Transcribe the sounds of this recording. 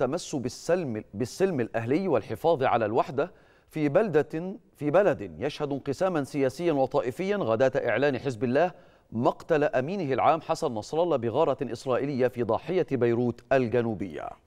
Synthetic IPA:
t̪ːamasːʊ | bɪsːɪlmɪlʔaɦlɪjːwɪlħɪfɑːðˤʕa̰lalwaħd̪a | fiːbd̪fiːbalad̪jaʃhad̪ɪnqɨsaːmansɪjæːsɪjːanwɑt̪ˤɑːʔɪfɪjːanɣæd̪æːt̪ʔɪʕlaːnħɪzbɪlːæːh | mɑqt̪alaʔamiːnɪɦɪlʕaːmħasannɑsˤɾˤɑlɑbɪɣɑːɾˤɑʔɪsɾˤɑːʔɪlɪjːafiːd̪ˤɑːħɪjabajɾuːt̪ʔalɡanuːbɪjːa̰

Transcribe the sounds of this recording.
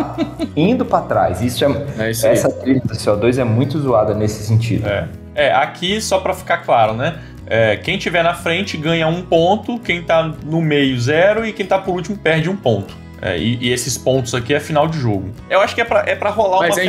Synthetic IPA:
ĩnd̪ʊpɾat̪ɾa̰jzisʊɛɛisɛsɐt̪ɾisd̪ʊseɔd̪ojzɛmũj̃t̪ʊizuad̪ɐnesɪ̥sẽnt͡ʃḭd̪ʊɛ̰ | ɛʔakʰisɔpɾɐfi̥kaklaɾʊnɛ | ɛkẽj̃t͡ʃivɛnɐfɾẽnt͡ʃɪɡɐ̃ɲɐũpõnt̪ʊkẽj̃t̪anʊmejʊzɛɾʊɪkẽj̃t̪apʊɾut͡ʃimʊpɛɾd͡ʒɪũpõnt̪ʊ̥ | ɛ̰ɪ̰ʔɪesɪspõnt̪ʊzakiɛfinawd͡ʒɪʒoɡʊewaʃʊ̥kɪɛpɾɐʔɛpɾɐɦolaɾum̃zmɐ

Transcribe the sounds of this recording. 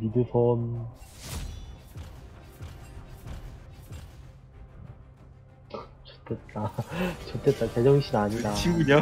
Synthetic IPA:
midɯsʰʌn | t͡ɕot͈ʰet̚t͈at͡ɕot͈et̚t͈aked͡ʑʌŋeɕʰinaɲidaɕʰiɡuɲo

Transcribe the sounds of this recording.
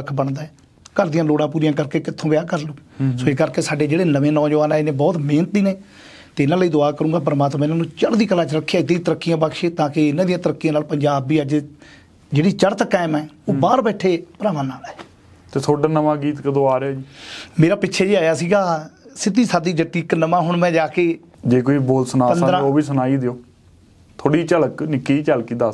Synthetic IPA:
əkʰbəɳd̪aːɛː | kəɾd̪ɪjãːloːɽãːp̬uːɾijãːk̬əɾkeːkɪt̪ʰːõːʋɪjaːkəɾloːsoːeːkəɾkeːsaːɖeːd͡ʒeːɽeːnəʋẽːnɔ̃ːd͡ʒəʋaːnɛ̃ːɪnẽːbɔːt̪meːnt̪̚d̪iːneː | t̪eːɪnãːləiːd̪oaːkəɾũːɡaːp̬əɾmaːt̪mãːɪnãːnũːt͡ʃəɽd̪iːkəlãːt͡ʃəɾəkʰːaːɪt̪ːĩːt̪əɾəkːijãːpəkʃeːt̪ãːkɪɪnãːd̪ijãːt̪əɾəkːijãːnaːlpəɲd͡ʒaːbiːəd͡ʒ | d͡ʒeːɽiːt͡ʃəɾt̪kɛːmɛ̃ːoːbaːɾbɛːʈʰeːpəɾaːʋãːnaːlɛː | t̪eːt̪ʰoːɖaːnəmãːɡiːt̪kəd̪oaːɾeɛːd͡ʒiːmeːɾaːpɪtːʃʰɛːd͡ʒiːaːjaːsiːɡaːsɪt̪iːsaːd̪iːd͡ʒəʈiːknəmãːɦʊɳmɛ̃ːd͡ʒaːkeː | d͡ʒeːkoːiːboːlsʊnaːənːd̪ɾãːoːbiːsʊnaːiːd̪eoː | t̪ʰoːɽiːt͡ʃəlknɪkiːt͡ʃəlkiːd̪as

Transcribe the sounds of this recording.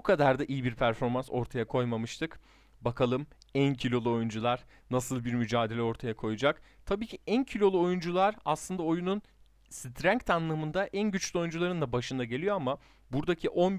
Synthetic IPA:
ukʰad̪aɾd̪aʔijibiɾpʰæɾfo̞ɾmanso̞̰ɾt̪ʰajakʰo̞jmamɯʃt̪ʰɯk | bakʰalˠɯmæncʰilʲo̞lˠuo̞jund͡ʒulˠaɾ | nasɯlˠbiɾmyd͡ʒaːd̪e̞lʲɛo̞ɾt̪ʰajakʰo̞jud͡ʒak | t̪ʰabiːcʰiæncʰilʲo̞lˠuo̞jund͡ʒulˠaɾaslˠɯnd̪ao̞junun | sit̪ʰɾæɲct̪ʰanˠɯːmɯnd̪aʔænɟyt͡ʃlʲyo̞jund͡ʒulˠaɾɯnd̪abaʃɯnd̪aɟe̞lʲijo̞ama | buɾd̪acʰiʔo̞n

